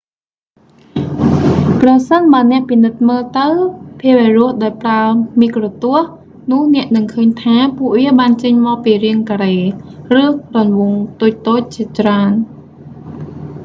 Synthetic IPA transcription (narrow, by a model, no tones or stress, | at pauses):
prɑsənɓaənɛ̆əʔpinɨt̪̚məːlt̪ɨwpʰiəʋɛːrʊ̆əhɗaɔjpraəmiːkrot̪ʊəh | nʊ̆əhnɛ̆əʔnɨŋkʰəːɲt̪ʰaːpuəʔʋiəɓaːnt͡ɕəɲmɑk̚piːriəŋkaɾeːrɨːrɑnʋʊŋt̪uːc̚t̪oːc̚t͡ɕiət͡ɕraən